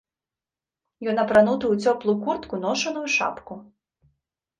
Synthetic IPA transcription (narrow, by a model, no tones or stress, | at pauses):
jɔnɐpɾanut̪ɨut͡sʲɔplˠukurt̪kunɔʂɐnujuʂa̰pku